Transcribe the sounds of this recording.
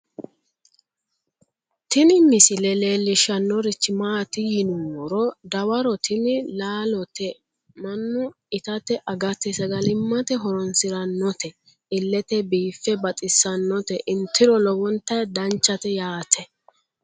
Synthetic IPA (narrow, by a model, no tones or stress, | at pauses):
t̪ɪnɪmɪsɪlɛle̞ːlːɪʃɐnːɔɾɪt͡ʃːɪmaːt̪ɪjɪnuwɔɾɔd̪ɐwɐɾɔt̪ʰɪnɪlaːlɔt̪ɛ | mɐnːʊ | ɪt̪ɐt̪ɛʔɐɡɐt̪ɛsɐɡɐlɪmːɐt̪ɛɦɔɾɔnsɪɾɐnːɔt̪ɛ | ɪlːɛt̪ɛbiːfːɛbɐt̪ʼɪsːɐnːɔt̪ɛʔɪnt̪ʰːɪɾɔlɔwɔnt̪ːɐjd̪ɐnt͡ʃːɐt̪ɛjaːt̪ʰɛ